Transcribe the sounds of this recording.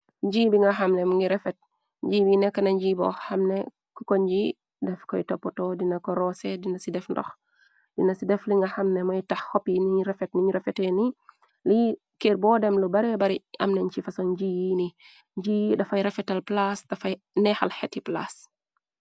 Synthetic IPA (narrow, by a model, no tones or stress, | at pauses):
ɲɟiːbiŋɡɐɦɐmnɛmuŋɡiɾɛfɛt̚ | ɲɟiːwinɛkːɐnɐɲɟiːbɔ̰hɐmnɛ | kɔkɔɲd͡ʒiː | dɛfkɔjitɔpːɔtɔdinɐkɔɾɔsɛdinɐsidɛfndɔ̰x | d̥inɐsidɛfliŋɡɐxɐmnɛmɐjtɐxːɔpiniɾɛfɛt̚miɲɾɛfɛtɛni | li | keːɾbɔːdɛmlubɐɾɛbɐɾiɐ̰mnɛɲt͡ʃifɐsɔnɟiːjini | ɲd͡ʒiːdɐfɐjɾɛfɛtɐlplasdɐfɐj | nɛxalhɛtːipla̰s